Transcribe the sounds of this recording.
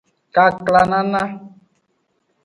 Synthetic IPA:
ka˨kla˨nã˦nã˦

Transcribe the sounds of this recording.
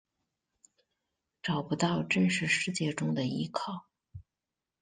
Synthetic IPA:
ʈ͡ʂɑ˨˩ʊpu˧˥t̪ɑ˥˧ʊʈ͡ʂə˥˧nʂɻ̩˥˧ʂɻ̩˥˧t͡ɕjɛ˥˧ʈ͡ʂʊ˥ŋd̪ə˨ḭ˧˥kʰɑ˥˩ʊ

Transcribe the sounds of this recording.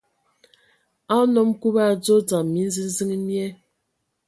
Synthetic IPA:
a˦nɔ˦mku˦ba˦˨d͡zo˦d͡za˨mːi˨˦n̩˦zi˦n˦zi˦ŋ˦mjɛ˦

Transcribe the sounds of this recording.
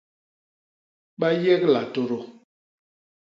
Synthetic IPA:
ɓa˦jɛ˦kla˨to˨ɾo˨

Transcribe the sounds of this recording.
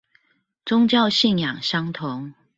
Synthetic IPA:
t͡sʊ˥ŋt͡ɕjɑ˥˨ʊɕi˥˨njɑ˨˩ŋɕɑ˥ŋt̪ʰʊ˨˧˦ŋ

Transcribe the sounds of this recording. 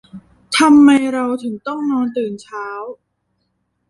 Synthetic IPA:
t̪ʰa˧mːa˧jɾa˧wt̪ʰɯ˩˦ŋt̪ɔ˥˩ŋnɔː˧nt̪ɯː˨˩nt͡ɕʰaː˦˥w

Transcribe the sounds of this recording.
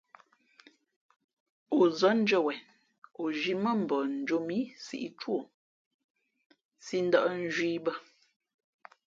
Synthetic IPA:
o˨zə˨˦n̩˦d͡ʒə˦˨wɛ˨n | o˨ʒi˦mə˦˨m̩˨bɔ˨n̩˨d͡ʒo˦mi˦sḭ˦˨ʔi˦t͡ʃwo˦˨ | si˦n̩˦də˦ʔn˦ʒwiː˦bə˦

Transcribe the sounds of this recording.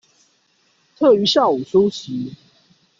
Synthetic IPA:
t̪ʰɤ˥˨˩y˨˧˦ɕja˥˩u˨˩su˦ɕi˨˦

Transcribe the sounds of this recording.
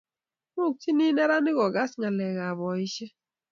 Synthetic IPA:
mʊ˦˨k̚t͡ʃi˦ni˦nɛ˦ɾa˦nɪ˦ɡɔ˨ɡa˦sŋa˨lɛ˨ɡa˨βɔ˨ɪ˦t͡ʃɛ˦

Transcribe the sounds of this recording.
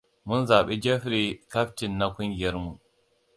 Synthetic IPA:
mu˦nza˨ɓi˦d͡ʒe˦fɾi˨ka˦fti˨nːa˦ku˦nɡe˨˦ɾmu˨

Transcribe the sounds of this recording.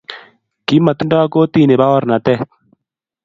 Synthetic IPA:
ki˦mɐ˨t̪u˦ɳɖaː˦koː˦t̪i˦˨ne˨baː˦wɐ˦ɾna˨t̪e˦

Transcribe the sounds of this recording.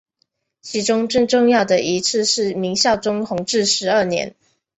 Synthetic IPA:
t͡ɕʰi˧˥ʈ͡ʂʊ˥ŋʈ͡ʂə˥˧ŋʈ͡ʂʊ˥˧ŋjɑ˥˩ʊd̪ə˩ʔi˧˥t͡s̩ʰ˥˧ʂɻ̩˥˩mi˧˥ŋɕjɑ˥˩ʊʈ͡ʂʊ˥ŋxʊ˧˥ŋʈ͡ʂɻ̩˥˩ʂɻ̩˧˥ə˞˥˩njɛ̰˧˥n

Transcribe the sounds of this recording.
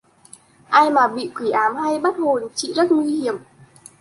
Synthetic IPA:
ʔaː˧jmaː˨˩ɓḭ˧˨kwi˧˩ʔaː˨˦mha˧jɓə˦˥t̚ho˨˩nt͡ɕḭ˧˨zə˦˥t̚ŋwi˧hi˧˩əm

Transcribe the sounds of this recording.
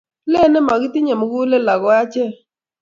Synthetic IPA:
le˦˨nɛ˦ma˨ɡɪ˦tɪ˦ɲe˨mo˨ɡu˦le˦la˨ɡɔ˨˦a˦t͡ʃɛ˦

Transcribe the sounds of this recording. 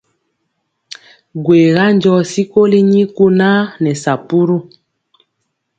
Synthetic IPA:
ɡwe˨ɣa˦nd͡ʒɔ˦˨si˦ko˦li˦ɲi˦ku˦na˦nɛ˨sa˨pu˦ɾu˦

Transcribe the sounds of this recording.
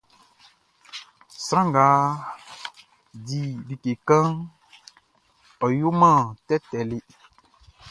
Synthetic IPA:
sɾã˦ŋ˨ɡa˨˦ | di˨di˨ke˨kã˦ŋ | ɔ˨ju˦mã˦˨tɛ˦tɛ˨lɪ˦

